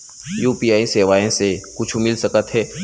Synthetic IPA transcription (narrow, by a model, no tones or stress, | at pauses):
juːpiaːiseːʋaːẽsekʊt͡ʃʰumɪlsɐkət̪ɦɛː